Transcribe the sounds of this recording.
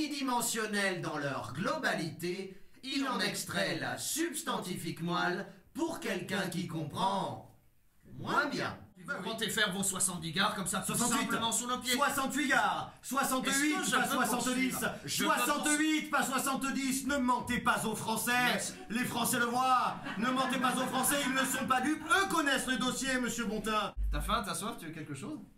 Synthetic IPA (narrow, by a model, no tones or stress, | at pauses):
id̪imɑ̃sjɔnɛld̪ɑ̃lœʁɡlɔbalit̪eizɑ̃nɛkst̪χɛla̰sybst̪ɑ̃t̪ifikmalpuʁkʲɛlkʲɛ̃kikɔ̃pχɑ̃ | mwɛbjɛ̰̃mɑ̃t̪efɛʁvɔ̃swasɑ̃t̪̚d̪iɡaʁkɔmsaswasɑ̃tsɥit̪mɑ̃syʁləpjsewasɑ̃t̪ɥiɡaːʁswasɑ̃t̪ɥipaswasɑ̃tt̪d̪isswasɑ̃t̪ɥit̪paswasɑ̃t̪d̪isnəmɑ̃t̪epazofχɑ̃sɛ | lefχɑ̃sɛləvwanəmɑ̃t̪epazofχɑ̃sɛilnəsɔ̃pad̪ykøkɔnɛsləd̪ɔsjeməsjøbɔ̃t̪ɛ̃t̪afɛ̃t̪aswaft̪yɛkʲɛlkəʃoz